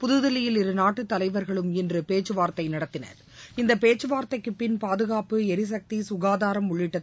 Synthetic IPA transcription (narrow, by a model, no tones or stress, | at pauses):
pʊðɯðɪlɪjɪlɪɾɯnaːʈːɯt̪ːɐlɐɪʋɐɾɣɐɭɯmɛndrɯpeːt͡ʃːɯʋaːɾt̪ɐɪnɐɽɐt̪ːɪnɐ̰ɾ | ɪnd̪ɐpeːt͡ʃːɯʋaːɾt̪ɐɪkːɯpːɪnpaːðɯɣaːpɯɛɾɪs̬ɐk̚t̪isʊɣaːðaːɾɐmʊɭːɪʈːɐ